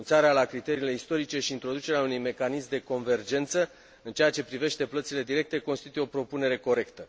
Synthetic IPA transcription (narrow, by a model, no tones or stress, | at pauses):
nt̪saɾealakɾit̪e̞ɾiːle̞ist̪o̞ɾit͡ʃe̞ʃiːnt̪ɾo̞d̪ut͡ʃe̞ɾeaunujme̞kanismd̪e̞ko̞nve̞rd͡ʒe̞nt̪sə | ɨnt͡ʃeat͡ʃe̞pɾive̞ʃt̪e̞plət̪sile̞d̪iɾe̞k̚t̪e̞ko̞nst̪it̪ujo̞pɾo̞pune̞ɾe̞ko̞ɾe̞kt̪ə